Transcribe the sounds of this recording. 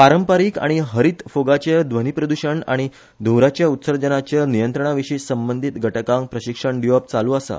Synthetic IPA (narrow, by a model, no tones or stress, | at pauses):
paɾəmpaɾiːka̰ɽ̃iɦəɾiːt̪foɡat͡ɕed̪ʋənipɾəd̪uɕəɳa̰ɽ̃i | d̪ʱũwɾat͡ɕjaut̪səɾd͡ʑənat͡ɕənijənt̪ɾəɳ̃aʋiʂiːsəmbənd̪ʱit̪ɡʱəʈəkãŋk̚pɾəɕikʂəɳɖijop̚t͡saluːasa̰